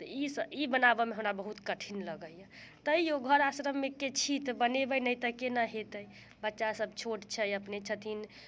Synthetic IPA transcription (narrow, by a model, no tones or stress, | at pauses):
t̪əisəibənabemeɦəmɾabəɦut̪kəʈʰinləɡəjjət̪əijoɡʱəɾasɾəmːeket͡ʃʰit̪bənebənəjt̪əkenəɦet̪əj | bətːʃasəbʱt͡ʃʰoʈt͡ʃʰəjəpnet͡ʃʰət̪ʰin